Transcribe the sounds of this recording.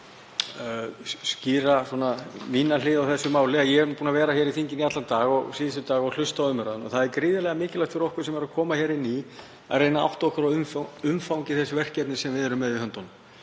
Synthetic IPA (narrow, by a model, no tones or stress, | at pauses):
sciːɾasuɔːnaviːnalɪːðawθɛsːʏmaːwlɪajɛɛpuːnavɛːɾaçɛɾiθiɲcɪniat̪lant̪aːɣɔɣsiːðɪst̪ʏt̪aːɣɔɣl̥ʏst̪awʏmːʏɾaðʏnɔ̰ɣθaðɛɾkɾɪːðɪlɛɣamɪːcɪlaht̪fɪɾɔhkvʏɾ̥sɛmɛɾakʰɔːmaçɛːɾɪnːi | a̰ðrejnaa̰wht̪ɔhkʏɾaʏmfʏmfawŋcɪθɛsʏvɛr̥cɛp̪̚nɪsɛmvɪðɛɾʏmːɛðɪhœnt̪ɔnm